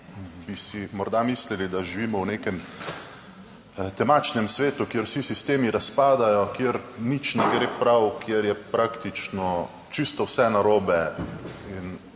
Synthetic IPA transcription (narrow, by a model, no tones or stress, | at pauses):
bisimɔɾd̪amislilid̪aʒiʋiːmɔwneːkɛm | t̪ɛmat͡ʃnɛmsʋeːt̪ukjeɾwsisist̪eːmiɾaspaːd̪ajɔkjeɾnit͡ʃnɛɡɾepɾawkjeɾjɛpɾakt̪it͡ʃnɔ | t͡ʃist̪ɔwsɛnaɾoːbɛ | in